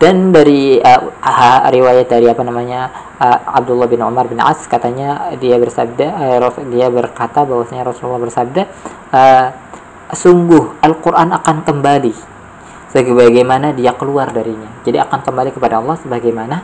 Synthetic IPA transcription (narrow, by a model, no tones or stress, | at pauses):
d̥andaɾiəhaɾiwajat̪̚daɾiapanamaɲa | əa̰b̚dulːɑhbɪnʕṵmarbɪnʕa̰skat̪aɲadiabərsab̚dadiabərkat̪abawasaɲaɾɔsululːɑhbərsab̚da | ə | suŋɡʊhʔalkuɾʔanakankəmbali | səɡəbaɡajmanadiakəluardaɾiɲad͡ʒadiakankəmbalikəpadaɑlˠːɑhsəbaɡajmana